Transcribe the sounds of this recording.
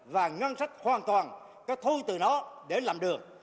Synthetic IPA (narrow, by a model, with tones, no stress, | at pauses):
vaː˨˩ŋwə˧nsa˦˥k̚hwaː˨˩nt̪waː˨˩n | kɔ˨˦t̪ʰu˧t̪ɨ˨˩nɔ˨˦ɗe˧˩laː˨˩mɗɨ˨˩ək̚